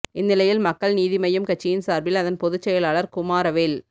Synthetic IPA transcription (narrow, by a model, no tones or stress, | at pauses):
ɪnːɪlɐjɪlmɐkːɐɭniːðɪmɐjɯmkɐt͡ʃːɪjɪnsaːɾbɪlɐðɐnpɔðɯt͡ʃːɛjɐlaːɭɐɾkʊmaːɾɐʋeːl